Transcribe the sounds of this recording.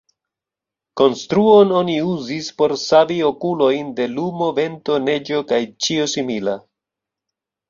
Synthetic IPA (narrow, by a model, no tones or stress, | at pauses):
ko̞nstɾuo̞no̞niuzispo̞ɾsavio̞kulo̞jnde̞lumo̞ve̞nto̞ne̞d͡ʒo̞kajt͡ʃiosimila